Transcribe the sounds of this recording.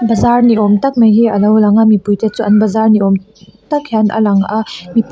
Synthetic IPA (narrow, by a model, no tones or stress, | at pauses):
bɐzaɾniomtɐk̚majliɐlɐwlaŋamipujtɐt͡ʃuʔɐ̰nbɐzaɾniɔm | tɐkhjanʔɐ̰laŋamip